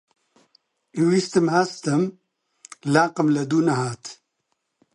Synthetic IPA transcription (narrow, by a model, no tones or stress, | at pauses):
iwiːst̪ɨmhɐst̪ɨm | laːqɨmlɐd̪uːnɐhaːt̪